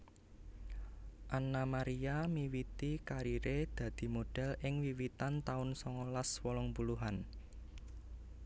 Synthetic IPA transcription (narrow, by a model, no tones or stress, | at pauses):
ʔanamaɾiamiwit̪ikaɾiɾed̪̥ä̤d̪̥i̤moɖ̥ɛ̤lʔɪŋwiwit̪ant̪aʊnsɔŋɔlaswɔlɔŋbuluɦan